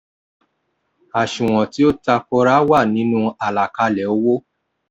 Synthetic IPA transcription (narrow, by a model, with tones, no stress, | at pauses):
a˨ʃũ˨w̃ɔ̃˨ti˦o˦ta˧kɔ˧ɾa˦wa˦˨nĩ˨˦nũ˦a˨la˨ka˧lɛ˨o˦wo˦